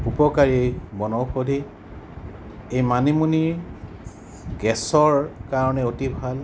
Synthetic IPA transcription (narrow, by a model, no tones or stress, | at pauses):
upɔkaɹiejbɔnɔwxodʱi | ejmanimuniɹ | ɡɛsɔɹkaɹɔnɛotibʱal